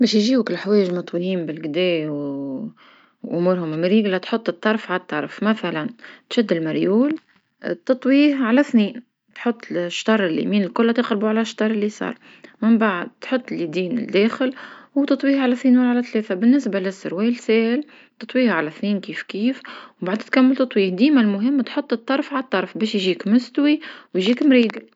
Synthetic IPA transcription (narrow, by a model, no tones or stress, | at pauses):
bɛːʃjʒiːwkɪlħawɛːjɪʒmɑt̪ˤwiliːmbɪlɡd̪ɛːw | ʔʊmuːɾɦʊmɪmɾiːɡlat̪ħot̪ˤːɨt̪ˤːɑɾˤfʕat̪ˤːɑɾˤfmæθælænt̪ʃæd̪ːɪlmaɾjuːl | t̪ɨt̪ˤwiːhʕalæθniːn | t̪ħʊt̪ˤːʃːt̪ɑɾˤɪlːḭmiːnɪlkʊlːæt̪ɪqɾbuʕalæʃt̪ɑɾˤɪlːisˤɑ̰ːɾˤ | mɪmbaʕəd̪̚t̪ħot̪ˤːlid̪iːnɪ̰ld̪ɛːxɪlwt̪ɨt̪ˤwiːhʕalæθniːnwlʕalæt̪lɛːθabɪnːɪsbalɪsːʊɾwɛːlsɛːhl | t̪ːɑt̪ˤwiːhʕalæθniːnkiːfkiːfwbaʕd̪t̪kæmːəlt̪ɑt̪ˤwiːhd̪iːmalmʊɦɪmːt̪ħot̪ˤːɨt̪ˤːɑɾˤfʕalt̪ˤːɑɾˤfbɛːʃjʒiːkmʊst̪wiwjʒiːkmɾiːɡ̪l